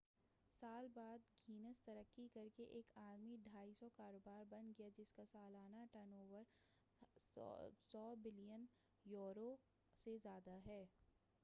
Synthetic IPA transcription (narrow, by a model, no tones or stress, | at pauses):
saːlbaːd̪ɡʱiːnəst̪ɐɾəkːikɐɾkeʔeːkaːɾmiɖʱaːisɔkaːɾoːbaːɾbɐ̃nɡɐjad͡ʒɪskasaːlaːnaʈənoːʋəɾ | sɔːbɪlijən | joːɾo | sezjaːd̪aɦɛː